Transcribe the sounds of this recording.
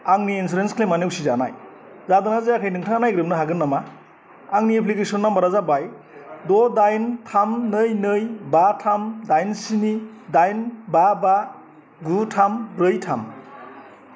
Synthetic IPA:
aŋniːns̬uɾenskʰlemanewsizana̰j | zadɯnazejakʰajnɯŋtʰanajɡɾɯp̚nɯɦaɡɯnːama | aŋniepʰlikesɔnːambaɾazabaj | dɔdajntʰamnɯjnɯjbatʰamdajnsinidajnbaba | ɡutʰambɾɯjtʰam

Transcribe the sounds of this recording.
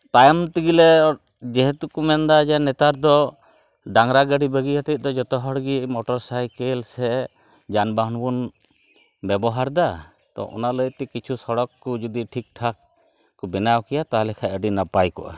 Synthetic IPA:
t̪ajmt̪iɡilɛ | d͡ʒɛɦɛt̪ukumɛnd̪ad͡ʒanɛt̪aɾd̪ɔ | ɖaŋɾaɡəɽibəɡiat̪ɛt̪̚ˀd̪ɔd͡ʒɔt̪ɔɦɔɽɡimɔʈɔɾsajkɛlsɛ | d͡ʒanbaɦnbun | bɛbɔɦaɾd̪a | t̪ɔ̰ʔɔ̰naləjt̪ɛkit͡ʃʰusɔɽɔkːɔd͡ʒud̪iʈʰik̚ʈʰak̚ | kɔbɛnawkɛjat̪aɦlɛkʰaəɖinapajkɔʔa̰

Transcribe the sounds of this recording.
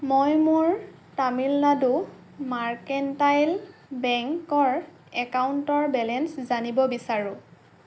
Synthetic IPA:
mojmʊɹ | tamilnadu | maɹkɛntajlbɛŋkɔɹ | ɛkawuntɔɹbɛlɛnszanibɔbisaɹʊ̃

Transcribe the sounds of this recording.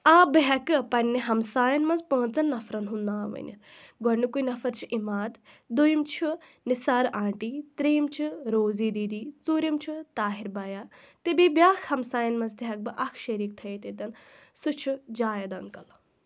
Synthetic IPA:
aːbɨɦɛkɨpɐnʲːiɦɐmsaːjɐnmɐnzpə̃ːnt͡sɐnːɐfɾɐnɦund̪ãːʋə̰nʲḭɡɔnukujnɐfɐɾt͡ʃʰiʔimaːd̪ | d̪ujimt͡ʃʰu | nisaːɾãːɳʈiːt̪ɾeːmt͡ʃʰiɾoːziːd̪iːd̪iːt͡suːɾʲimt͡ʃʰut̪aːɦiɾbɐjaː | t̪ebebjaːkʰhɐmsaːjɐnmɐnzt̪iɦɐk̚bɨʔɐkʰʃeɾik̚t̪ʰɐjet̪ed̪ɐnsut͡ʃʰud͡ʒaːjɐd̪ɐŋkɐl

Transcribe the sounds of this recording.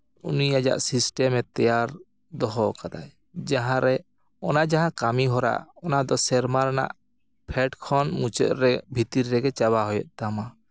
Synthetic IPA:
uniad͡ʒa̰ʔsisʈɛmɛt̪ɛjaɾ | d̪ɔɦɔkad̪aj | d͡ʒaɦãɾɛ | ɔnaʔd͡ʒaɦãkamiɦɔɾa̰ʔɔnad̪ɔsɛɾmaɾana̰ʔ | pʰɛʈkʰɔnmut͡ʃə̰ʔ̪ɾɛbʱit̪iɾːɛɡɛt͡ʃaβaɦɔjɔ̰ʔ̪̚ˀt̪ama

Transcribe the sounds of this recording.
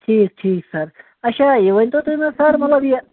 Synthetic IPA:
ʈʰiːk̚ʈʰiːksɐɾ | ɐʃaiʋɐnʲt̪ot̪umɐsɐɾmɐt̪lɐbje

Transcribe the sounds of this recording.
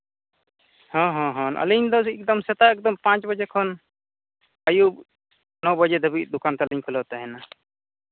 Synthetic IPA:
hɔ̃ɦɔ̃ɦɔ̃nʔə̰liɲd̪ɔɛk̚d̪ɔmsɛt̪aɛk̚d̪ɔmpãt͡ʃbəd͡ʒɛkʰɔn | əjub̚ | nɔbəd͡ʒɛd̪ʱəbit̪̚d̪ukant̪aliɲkʰulɔt̪ɛɦɛna

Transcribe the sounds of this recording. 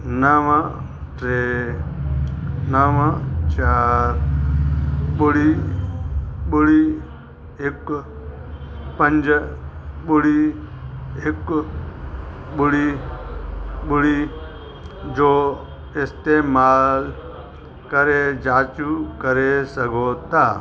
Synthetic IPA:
nəʋa | ʈɾeː | nəʋat͡ʃaːɾ | ɓʊɽiː | ɓʊɽiː | ɪk | pəɲd͡ʒ | ɓʊɽiː | ek | ɓuɽi | ɓuɽi | d͡ʒoː | ɪst̪emaːl | kɐɾed͡ʒaːt͡ʃukɐɾesɐɡoːt̪aː

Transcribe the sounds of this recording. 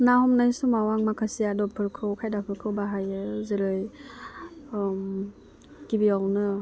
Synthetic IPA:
nahɔmnajsumawaŋmakʰasiadɔpʰɯɾkʰɯwkʰajdapʰɯɾkʰɯwbaɦajɯziɾɯj | kibiawnɯ

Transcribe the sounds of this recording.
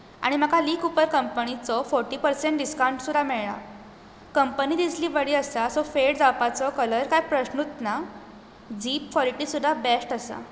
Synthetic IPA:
a̰ɽ̃im̤akʰaliːkupəɾkəmpənit͡sɔfɔɾʈiːpəɾsẽɳʈ̚ɖiskaũɳʈsud̪ʱamɛɭɭa̰ | kəmpənid̪isliːbəɽiːəsasɔfeɽd͡zapat͡sɔkələɾkajpɾəɕnut̪na | d͡ziːp̚kɔliʈiːsud̪ʱːabɛsʈəsa̰

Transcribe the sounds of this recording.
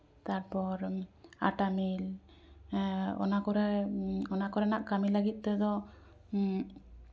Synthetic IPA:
t̪aɾpɔɾa̰ʈamil | ɔ̰nakɔɾɛɔnakɔɾɛnaʔkamilaɡit̪̚ˀt̪ɔd̪ɔ

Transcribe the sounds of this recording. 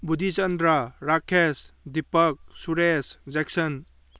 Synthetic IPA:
bud̪ʱit͡ʃɐnd̪ɾaɾakʰesdipɐk̚suɾeszek̚sɐn

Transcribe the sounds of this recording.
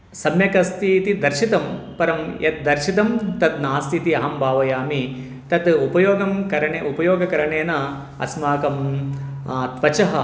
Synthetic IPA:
sɐmjɐkɐst̪iːt̪id̪ɐɾʃit̪ɐmpɐɾɐmjɐt̪̚d̪ɐɾʃit̪ɐmt̪ɐt̪̚naːst̪ʰit̪iɐɦɐmbʱaːʋɐjaːmi | t̪ɐt̪upɐjoːɡɐmkɐɾɐɳeupɐjoːɡɐkɐɾɐɳeːnɐ | ɐ̰smaːkɐm | t̪ʋɐt͡ʃɐɦɐ̰

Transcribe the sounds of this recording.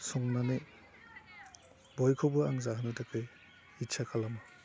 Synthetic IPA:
suŋnane | bɔjkʰobɯaŋzaɦɯnɯtakɯj | itsʰakʰalamɯ

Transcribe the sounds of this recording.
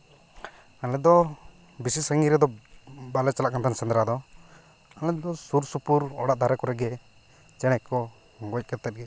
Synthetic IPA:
alɛd̪ɔ | bisisaŋɡiɾɛd̪ɔbalɛt͡ʃalaʔkant̪ʰansɛnd̪ɾad̪ɔ | alɛd̪ɔsuɾsupuɾɔ̰ɽaʔd̪ʱaɾɛkɔɾɛɡɛ | t͡ʃɛɽ̃ɛkɔ | ɡɔc̚ˀkɛt̪ːɛt̪̚ɡɛ

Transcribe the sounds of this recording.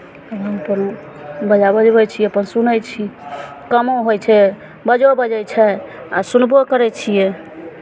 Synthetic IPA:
əbɦəməpəno | bəd͡ʒabəd͡ʒbɛt͡ʃʰiɛəpənsunəjt͡ʃʰi | kəmoɦojt͡ʃʰɛ | bəd͡ʒɛbəd͡ʒɛjt͡ʃʰɛa̰sunbokəɾɛt͡ʃʰijɛ

